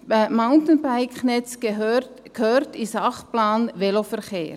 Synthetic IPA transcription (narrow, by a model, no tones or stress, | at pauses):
maʊntən̩baɪknɛt͡s | khøːɾtisɑχplaːnvelofɛɾkeːɾ